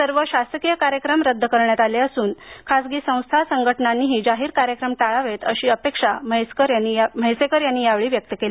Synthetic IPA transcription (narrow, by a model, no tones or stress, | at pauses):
səɾʋəɕast̪əkijəkaɾjəkɾəmɾəd̪ʱːəkəɾɳjat̪aleəsuːnkʰasɡiːsə̃w̃st̪ʰasəŋɡʱəʈnanːiːɦiːd͡ʑaɦiːɾkaɾjəkɾəmʈaɭaʋet̪əɕiːəpekʂakəɾjanːim̤əjsekəɾjanːiːjaʋɭiːʋjək̚t̪əkeli